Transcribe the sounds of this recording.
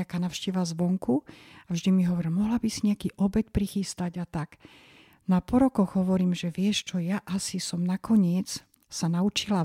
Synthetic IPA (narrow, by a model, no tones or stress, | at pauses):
akaːnaʊʃcɛʋazʋɔŋkuavʒd̪imiɦɔʋɔɾmɔɦlabisiɲɛakiːʔɔbɛt̪pɾixist̪aɟat̪aɡ | napɔɾɔkɔɣɦɔʋɔɾiːmʒɛʋɪɛʃt͡ʃɔjaʔasisɔmnakʰɔɲɪɛt͡s | sanaut͡ʃila